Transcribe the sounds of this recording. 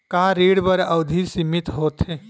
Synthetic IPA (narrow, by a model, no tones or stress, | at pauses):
kaːɾiːɽbəɾəʊd̪ʱisimit̪ɦoːt̪e